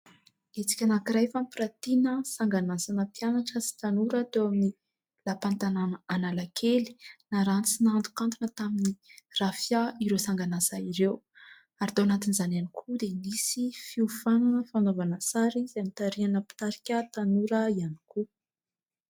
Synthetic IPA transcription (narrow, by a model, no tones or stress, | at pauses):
et͡si̥kʲanakiɾajfampɾat̪inəsaŋɡanasanəpjanaʈ͡ʂəsi̥t̪anuɾət̪ewamini | lapant̪ananaːnalakʰeli̥naɾant͡sinant̪u̥kant̪unət̪aminirafjaiɾewsaŋɡanasaiɾew | aɾid̪oanat̪inizananikʰud̪enisifiufananəfanovanəsaɾizamit̪aɾianəpi̥t̪aɾikʲət̪anuɾəianikʰu